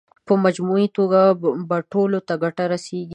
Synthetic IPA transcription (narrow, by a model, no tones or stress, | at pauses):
pəmad͡ʒmuit̪oɡabaʈolot̪aɡaʈaɾaseɡi